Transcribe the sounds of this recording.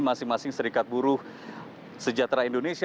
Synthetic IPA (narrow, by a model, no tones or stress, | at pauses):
masɪŋmasɪŋsəɾikat̪̚buɾʊh | səd͡ʒat̪ɾaindonesi